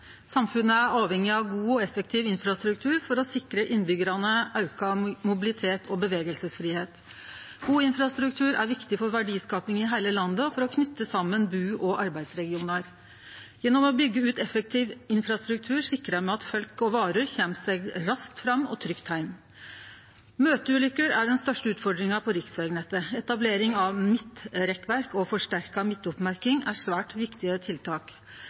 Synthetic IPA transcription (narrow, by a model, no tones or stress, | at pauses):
sɑmfʉnːəæɾɑːʋhɛŋːɪɑʋɡuːɔɛfəkt̪ʰɪːʋɪnfɾɑst̪ɾʉk̚t̪ʰʉːɾfɔɾɔsɪkɾəʔɪnbʏɡəɾɑnəʔɑʉkɑmʊbɪlɪt̪ʰeːt̪ʰɔbəʋeːɡəlsəsfɾiːheːt̪ | ɡ̥uːɪnfɾɑst̪ɾʉkt̪ʰʉːɾæɾʋɪkt̪ɪfɔɾʋæɖiːskɑːpɪŋɪɦæɪləlɑnd̪əɔfɔɾɔkʰnʏt̪ːəsɑmːənbʉːʔɔʔɑɾbæɪd̪sɾɛɡɪuːnɑɾ | jɛnːɔmɔbʏɡːəʉːt̪ɛfək̚t̪ʰiːʋɪnfɾɑst̪ɾʉk̚t̪ʰʉːɾʂɪkːɾɑmɛɑt̪fœlkɔʋɑːɾəɾçɛmseɡɾɑsk̚t̪fɾɑmːɔ̰t̪ʰɾʏkt̪hæɪm | møːt̪əʉːlʏkːəɾæɖɛnst̪œʂʈəʉːt̪fɔɖɾɪŋɑpʰɔɾɪksʋeːɡnɛt̪əɛt̪ɑbleːɾɪŋɑʋmɪt̪ɾɛkʋæɾkɔfɔʂʈæɾkɑmɪt̪ːʊpmæɾkɪŋæʂʋæːʈʋɪkt̪ɪət̪ʰɪlt̪ʰɑːk